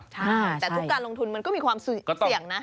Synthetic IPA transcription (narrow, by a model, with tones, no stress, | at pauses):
t͡ɕ̪ʰɛː˨˩u˥˩kkːaː˧nlo˧ŋt̪ʰu˧nma˧nkɔː˥˩miː˧kʰwaː˧msɔ˥˩ti˨˩əŋna˦˥